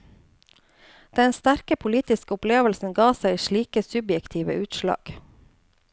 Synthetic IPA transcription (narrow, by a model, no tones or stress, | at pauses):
d̪̥ɛnst̪æɾkəpʰʊliːt̪ɪskəʊpleːʋəlsn̩ɡɑːsæɪiːʃɭiːkəsʉbjɛkt̪ʰiːʋə̰ʔʉːt̪ʃlɑ̰ːɡ̥